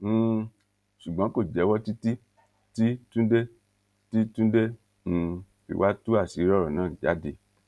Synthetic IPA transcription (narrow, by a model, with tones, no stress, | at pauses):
ʃu˨ɡ͡bã˨˦ko˦˨d͡ʒɛ˨˦wɔ˦ti˦ti˦ | ti˦tũ˦de˦ | ti˦tũ˦dẽ˦˧ | ḭ˨wa˦tu˦a˦˨si˨˦ɾɔ˦ɾɔ˨nãː˦˨d͡ʒa̰˨˦de˧˨